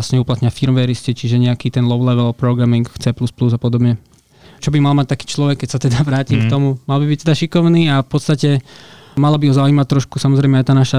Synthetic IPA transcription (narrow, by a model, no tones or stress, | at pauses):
sɲɛuplat̪ɲɪafiɾmʋɛɾiscit͡ʃiʒɛɲɛakiːt̪ɛnlɔʊlɛʋɛlpɾɔɡɾamiŋkt͡sɛpluspluzapɔd̪ɔbɲɛ | t͡ʃɔbimalmac̚t̪aki̥ːt͡ʃlɔʋɛkːɛcsat̪ɛd̪aʋɾaːcimkt̪ɔmumalbibic̚t̪ɛd̪aʃikɔʊniːafpɔt̪st̪acɛ | malabiɦɔzauimact̪ɾɔʃkusamɔzɾɛjmɛajɛt̪aːnaʃa